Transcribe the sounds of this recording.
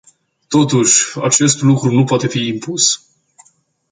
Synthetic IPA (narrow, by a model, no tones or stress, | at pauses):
t̪o̞t̪uʃʲat͡ʃe̞st̪lukɾunupoat̪e̞fiːmpus